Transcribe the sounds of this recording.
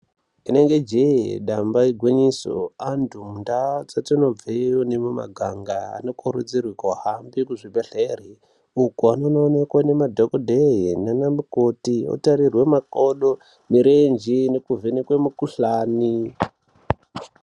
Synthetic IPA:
ine̞ŋɡe̞d͡ʒejɗambaiɡʱweɲiso̰antʰumundat͡satino̞b͡veione̞muma̰ɡʱaŋɡaa̰no̞kʰoɾud͡zirwikwaɦambikuʐibʱeɬeri | ukuano̞noːne̞kwane̞madʱokodʱeɦinanamukotio̰tarirwe̞makoɗo | miɾend͡ʒinekuvʱenekwemukuɬaːni

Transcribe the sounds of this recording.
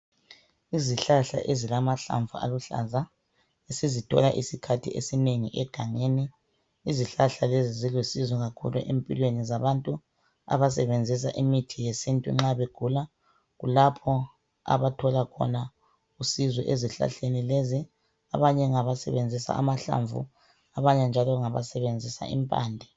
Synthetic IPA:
iziɬaɬa̰ʔezilamaɬa̰ɱvʱṵa̰luɬa̰za | esizitʰɔ̰laʔisikʰatʰḭʔḛsineŋiʔɛɡ̥ʱaŋeːniː | ziɬaɬalezizilwesizɔɣakʰṵlṵʔempʼḭlwenizaβantʼu | a̰βasɛβend͡zʱis̬aʔimitʰijesintʼṵŋ͡ǁaβeɡ̥ʱula | ɣulapʰɔ | a̰βatʰɔlakʰɔ̰na | usizwɔ̰ʔeziɬa̰ɬenilezi | a̰βaɲɛŋaβasɛ̰βend͡zʱisa̰ːmaɬa̰ɱvṵ | aβaɲɛnd͡ʒʱalɔŋaβa̰sɛβend͡zʱisa̰ḭmpʼa̰ːndʱɛ

